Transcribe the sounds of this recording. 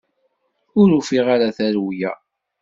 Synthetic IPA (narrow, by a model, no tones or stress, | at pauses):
ʊɾufiʁaɾaθæɾwjæ̰